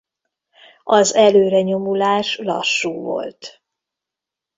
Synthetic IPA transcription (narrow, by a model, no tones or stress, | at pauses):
ɒzɛløːɾɛɲo̞mulaːʃlɒ̰ʃːuːvo̞̰lt̪